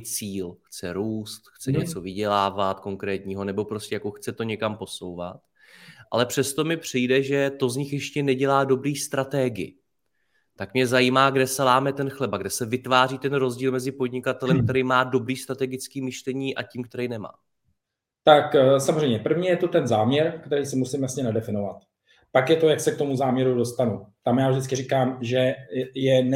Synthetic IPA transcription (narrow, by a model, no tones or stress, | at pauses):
t͡siːlxt͡sɛɾuːst̪xt͡sɛɲɛt͡so̞vɪɟɛlaːvat̪ko̞ŋkɾɛːt̪ɲiːɦo̞nɛbo̞pɾo̞scʲɛjako̞xt͡sɛt̪o̞ɲɛkampo̞so̞wva̰t̪ | ʔa̰lɛpr̝̥ɛst̪o̞mɪpr̝̥ijdɛʒɛt̪o̞zɲɪxjɛʃcɛnɛɟɛlaːdo̞bɾiːst̪ɾat̪ɛɡɪɪ̰ | t̪akmɲɛzajiːmaːɡdɛsɛlaːmɛt̪ɛnxlɛbaɡdɛsɛvɪt̪vaːriːt̪ɛnɾo̞zɟiːlmɛzɪpo̞dɲɪkat̪ɛlɛmk̚t̪ɛɾɛjmaːdo̞bɾiːst̪ɾat̪ɛɡɪt͡skiːmɪʃlɛɲiːʔa̰ciːmkt̪ɛɾɛjnɛma̰ː | t̪aksamozrɛjmɲɛpr̩vɲiːjɛt̪ot̪ɛnzaːmɲɛɾkt̪ɛɾiːsɪmusɪmjasɲɛnadɛfɪnovat̪ | pakjɛt̪o̞jaksɛk̚t̪o̞muzaːmɲɛɾudo̞st̪anut̪amjaːvʒdɪt͡sskɪrikaːmʒɛjɛn